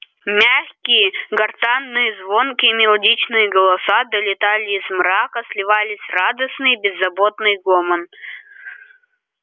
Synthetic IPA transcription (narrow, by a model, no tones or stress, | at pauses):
mʲaxʲkʲɪjəɡɐrt̪anːɨjəzvo̞nkʲɪmʲɪlˠɐdʲit͡ɕnɨjəɡəlˠɐsad̪əlʲɪt̪alʲɪːzmɾakəslʲɪvalʲɪsʲrad̪əsnɨjbʲɪzːɐbot̪nɨjɡomən